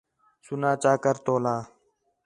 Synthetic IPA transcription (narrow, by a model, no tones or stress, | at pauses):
sunaːt͡ʃaːkəɾt̪oːlaː